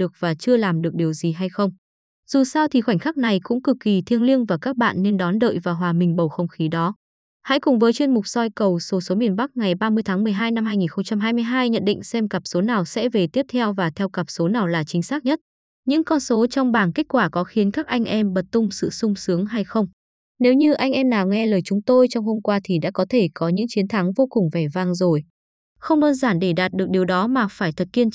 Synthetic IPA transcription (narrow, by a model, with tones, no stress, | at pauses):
ɗɨ˨˩ək̚vaː˨˩t͡ɕɨ˧əlaː˨˩mɗɨ˨˩ək̚ɗi˨˩əwzi˨˩ɦa˧jxə˧wŋ͡m | z̥u˨˩saː˧wt̪ʰi˨˩xwa˧˩ŋ̟xaː˦˥k̚na˨˩jkʊ̰˧˥ŋ͡mkɨ˨˩k̚ːi˨˩t̪ʰi˧ənli˧ənvaː˨˩kaː˦˥k̚ɓa̰ː˧˨nːe˧nɗɔ˨˦nɗə̰ː˧˨jvaː˨˩ɦwaː˨˩mï˨˩ŋ̟ɓə˨˩wxə˧wŋ͡mxi˨˦ɗɔ˨˦ | ha̰˧˥jkʊ˨˩ŋ͡mvəː˨˦jt͡ɕwi˧ənmʊ˨˩k͡p̚sɔ˧jkə˨˩wso˨˦so˨˦mi˨˩ənɓa˦˥k̚ŋa˨˩jɓaː˧mɨ˧əjt̪ʰaː˨˦ŋmɨ˨˩əɦaː˧jna˧mhaː˧jŋi˨˩nxə˧wŋ͡mt͡ɕa˧mɦaː˧jmɨ˧əjɦaː˧jɲə̰˧˨nɗḭ̈˧˨ŋ̟sɛ˧mkə˨˩p̚so˨˦naː˨˩wsɛ̰˧˥ve˨˩t̪i˦˥əp̚t̪ʰɛ˧wvaː˨˩t̪ʰɛ˧wkə˨˩p̚so˨˦naː˨˩wlaː˨˩t͡ɕï˨˦ŋ̟saː˦˥k̚ɲə˦˥t̚ | ɲɨ̰˧˥ŋkɔ˧nso˨˦t͡ɕɔ˧wŋ͡mɓaː˧˩nke˦˥k̟̚kwaː˧˩kɔ˨˦xi˨˦nkaː˦˥k̚ʔa˧jŋ̟ʔɛ˧mɓə˨˩t̚t̪ʊ˧ŋ͡msɨ̰˧˨sʊ˧ŋ͡msɨ˨˦əŋɦa˧jxə˧wŋ͡m | ne˨˦wɲɨ˧ʔa˧jŋ̟ʔɛ˧mnaː˨˩wŋɛ˧ləː˨˩jt͡ɕʊ˨˦ŋ͡mt̪o˧jt͡ɕɔ˧wŋ͡mho˧mkwaː˧t̪ʰi˨˩ɗa̰ː˧˥kɔ˨˦t̪ʰe˧˩kɔ˨˦ɲɨ̰˧˥ŋt͡ɕi˨˦ənt̪ʰa˨˦ŋvo˧kʊ˨˩ŋ͡mvɛ˨˩vaː˧ŋzo˨˩j | xə˧wŋ͡mɗoː˧nzaː˧˩nɗe˧˩ɗaː˨˩t̚ɗɨ˨˩ək̚ɗi˨˩əwɗɔ˨˦maː˨˩faː˧˩jt̪ʰə˨˩t̚ki˧ən